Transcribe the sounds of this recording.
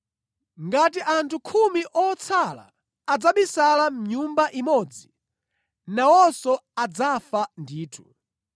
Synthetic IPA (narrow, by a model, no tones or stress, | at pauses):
ŋɡatiʔantʰukʰumiʔɔt͡sʰala̰ː | d͡zaɓisalam̩ɲumbaʔimɔd͡zi | nawɔsɔad͡zafandiːtʰu̥